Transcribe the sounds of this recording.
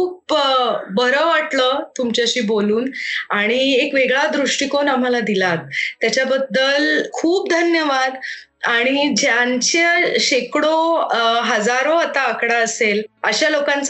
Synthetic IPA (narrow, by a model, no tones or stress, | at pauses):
kuːp̚ | bəɾəʋaʈlət̪umt͡ɕaɕiːboluːnaɽ̃iekʋeɡɭad̪ɾuʂʈikonam̤alad̪ilat̪t̪ːjat͡ɕabəd̪ːəlkʰuːpd̪ʱənjəʋad̪ | aɽ̃id͡ʑjant͡ɕəɕekɽoɦəd͡zaɾoat̪aəkɽaəseləɕalokãnt͡s